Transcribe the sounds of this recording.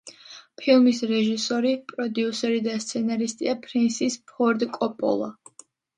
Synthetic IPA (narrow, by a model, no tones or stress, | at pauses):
pʰilˠmisɾɛʒisɔɾipʼɾɔd̪jusɛɾid̪ast̪sʰɛnaɾist̪ʼiapʰʼɾinsispʰɔɾd̪kʼɔpʼɔ̰lˠa̰